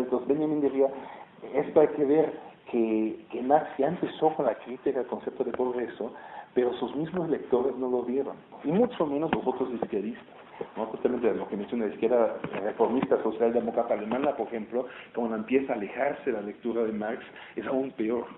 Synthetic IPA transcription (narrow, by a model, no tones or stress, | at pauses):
nt̪osbenamĩnd̪iɾiaest̪oajkeβeɾkʰekemaɾksjaempe̞so̞konlakɾit̪ikaelko̞nse̞p̚t̪oðepɾoɣɾe̞sope̞ɾosuzmizmoslek̚t̪o̞ɾe̞zno̞lo̞ðje̞ɾonimut͡ʃomẽnoslozβot̪oziskjaðist̪ḁs | not̪ot̪alment̪elokemensjonaliskjeɾarefo̞ɾmist̪aso̞sjald̪emokɾat̪alemãnapoɾexemplo̞komolaempje̞saːlexaɾseðelalek̚t̪uɾaðemaɾks | esaumpeo̞ɾ